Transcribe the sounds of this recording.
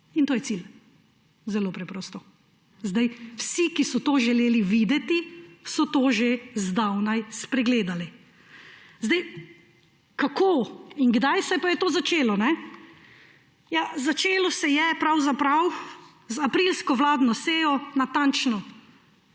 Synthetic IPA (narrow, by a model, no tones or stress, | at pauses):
int̪oːjɛtsil | zɛloːpɾɛpɾɔːst̪ɔ | zd̪ajwsikisɔt̪oːʒɛleːliʋid̪ɛt̪isɔt̪oːʒezd̪awnajspɾɛɡleːd̪ali | zd̪aj | kakʰoːinɡd̪ajsɛpajɛt̪oːzat͡ʃeːlɔnɛ | jazat͡ʃeːlɔsɛjɛpɾawzapɾaw | zapɾilskɔʋlaːd̪nɔseːjɔnat̪ant͡ʃnɔ